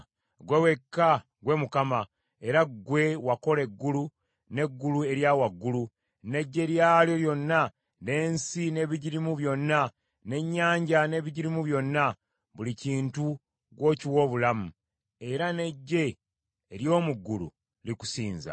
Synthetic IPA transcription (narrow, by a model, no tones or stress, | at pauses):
ɡwe̞we̞kːa | ɡwe̞mukama | e̞ɾaɡwe̞wako̞le̞ɡːulu | ne̞ɡːulue̞ɾjawaɡːulu | ne̞ɟːe̞ɾjaljo̞ljo̞nːa | ne̞ːnsine̞ːβiɟiɾimuβjo̞nːa | ne̞ɲːaːɲɟane̞ːβiɟiɾimuβjo̞nːa | βuliciːntu | ɡwo̞ːciwo̞ːβulamu | e̞ɾane̞ɟːe̞ː | ɾjo̞ːmuɡːulṵ | liku̥siːnza̰